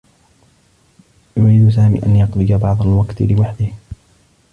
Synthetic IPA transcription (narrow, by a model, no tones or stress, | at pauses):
jʊɾiːd̪ʊs̬aːmḭːʔanjɑqlɪd͡ʒabɑʕd̪ˤɑalwakt̪lɪwaħd̪ɪh